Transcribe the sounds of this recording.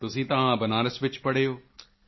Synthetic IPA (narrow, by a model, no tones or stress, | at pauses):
t̪ʊsĩːt̪ɐʋãːbɐnaːɾəsʋɪt͡ʃpɐɽeːɦoː